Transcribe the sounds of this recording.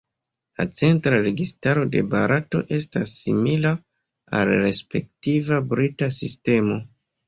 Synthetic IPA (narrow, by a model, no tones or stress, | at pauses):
la̰t͡se̞ntɾaɾe̞ɡistaɾo̞de̞ba̰ɾato̞̰ʔe̞stasːimila | a̰lɾe̞spe̞k̚tivabɾitasiste̞mo̞